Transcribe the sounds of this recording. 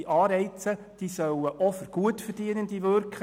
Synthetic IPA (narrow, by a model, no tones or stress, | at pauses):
ʔɑːɾɛɪt͡sə | d̥iːsœwəʔɔfəɾɡ̥uətfərd̥iənəndiʋøɾkχ